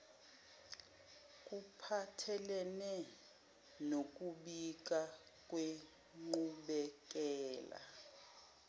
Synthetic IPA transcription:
kʼupʰatʰɛlɛnɛ | nok̬ʼuɓik̬ʼa | kʼwe | ŋ͡ǃuɓɛk̬ʼɛːla̰

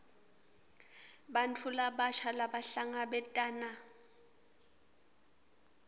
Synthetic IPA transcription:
bantʰulabaʃʰalabaɬaŋabɛtʼaːna

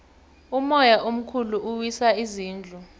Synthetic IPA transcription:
umɔjaʔom̩kʰuluʔuwisaiziːnd͡ɮʱu

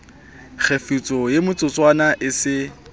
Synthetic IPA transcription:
k͡xʰefit͡sʼɔjemʊt͡sʼʊt͡sʼwanaʔɪsɪ

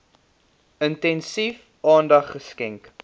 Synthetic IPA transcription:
əntɛnsif | ɑːndɐχːəskɛŋk

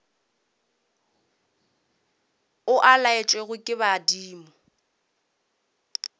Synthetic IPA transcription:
ʊʔalaɪt͡ʃʼweɣʊkʼɪbadiːmɔ

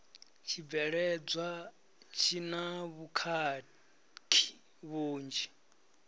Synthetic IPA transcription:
t͡ʃʰiɛɺɛd͡zwa | t͡ʃʰinaβukʰa | tʰi̥ | βuːnd͡ʒi

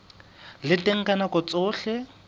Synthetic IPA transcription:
lɪtʼeŋ̩kʼanakɔt͡sʼʊːɬɛ

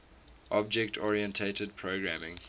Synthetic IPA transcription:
ʔɔb̚d͡ʒɛk̚tʰɔɹiə̃ntʰetəd̚pʰɹoɡɹæmɪ̃ŋ

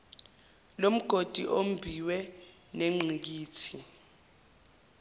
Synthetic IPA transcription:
lom̩ɡ̥ʱod̥ʱiʔom̩bʱiwɛ | neŋ͡ǀik̬iːtʰi

